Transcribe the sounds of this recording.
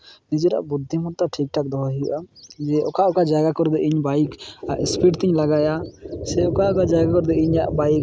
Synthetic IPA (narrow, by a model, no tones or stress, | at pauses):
nid͡ʒɛɾa̰ʔbud̪ʱːimɔɾt̪aʈʰik̚ʈak̚d̪ɔɦaɦij̰ʔad͡ʒɛʔɔkaʔɔkad͡ʒaɡakɔɾd̪ɛiɲbajkaspiʈt̪iɲlaɡajasɛɔkaɔkad͡ʒaɡakɔɾd̪ɛiɲaʔbajk